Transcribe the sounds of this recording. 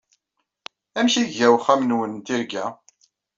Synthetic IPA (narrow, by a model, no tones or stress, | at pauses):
æmçiæwχæmnwənt̪iɾɡæ